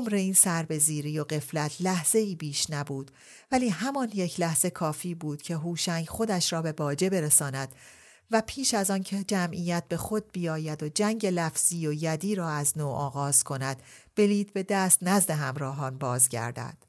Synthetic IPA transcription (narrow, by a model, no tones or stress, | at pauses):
omɾeiːnsæɾbe̞ziːɾiːjo̞ɢe̞flæt̪ʰlæhz̥e̞iːbiːʃnæbuːd̪̥ | væliːɦæmɒnjecʰlæhz̥e̞kʰɒːfiːbuːd̪̥cʰe̞ɦuːʃæŋɟxo̞d̪æʃɾɒːbe̞bɒːd͡ʒe̞be̞ɾesɒːnæd̪̥ | væpʰiːʃæzɒːncʰe̞d͡ʒæmʔijæt̪̚be̞xo̞d̪̚bijɒːjæd̪o̞d͡ʒæŋɟe̞læfz̥iːojæd̪iːɾɒːæznoːʔɒːɣɒːz̥kʰo̞næd̪̥b̥e̞liːd̪be̞d̪æːst̪næzd̪e̞ɦæmɾɒːɦɒːnbɒːzɟæ̰ɾd̪æ̰d̪̥